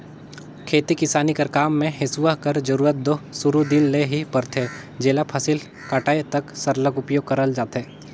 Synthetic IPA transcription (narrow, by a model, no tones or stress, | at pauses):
kʰeːt̪ikɪsaːnikɐɾkaːmːẽɦɪsuʋaɦkɐɾd͡ʒɐɾuːɾət̪̚d̪oɦsʊɾud̪ɪnleɦipɐɾt̪ʰe | d͡ʒeːlapʰɐsɪl | kaːʈaːet̪ɐksɐɾləɡʊpjoːɡ̚kɐɾəld͡ʒaːt̪ɦeː